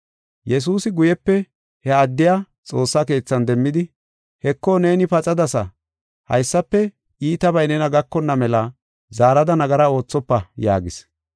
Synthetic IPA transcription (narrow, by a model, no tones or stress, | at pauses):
jɛs̬uːsɪɡʊjɛpːɛ | hɛɐd̪ːɪjaː | t͡sʼo̞ːsːake̞ːt͡sːɐnd̪ɛmːɪd̪ɪ | hɛkːɔne̞ːnɪpɐt͡sʼɐd̪ɐsɐ | hɐ̰jsːɐpːɛ | ʔiːt̪ɐbɐjnɛnɐɡɐkːɔnːɐmɛlɐ | zaːɾɐd̪ɐnɐɡɐɾɐo̞ːt͡sːɔpːɐja̰ːɡɪs